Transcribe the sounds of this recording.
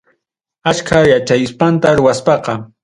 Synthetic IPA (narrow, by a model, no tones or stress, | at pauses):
at͡ʃkʰajat͡ʃajspant̪aɾʊwaspɑqɑ